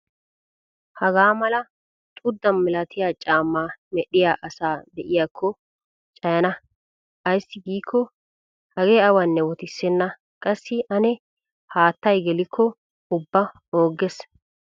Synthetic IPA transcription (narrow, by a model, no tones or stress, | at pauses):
hɐɡaːmɐlɐ | t̪ʼʊd̪ːɐnmɪlɐt̪ɪjaːt͡ʃʼaːmːaːmɛɗɪjaːʔɐsaːd̪ɛʔɪjaːkʰːɔ | t͡ʃʼɐjɐnɐ | ʔɐjsːɪɡiːkʰːɔ | hɐɡeːɐwɐnːɛwɔt̪ɪsːɛnːɐ | kʼɐsːɪʔɐnɛ | haːt̪ːɐjɡɛlɪkʰːɔ | ʊbːɐ | o̞ːɡɛs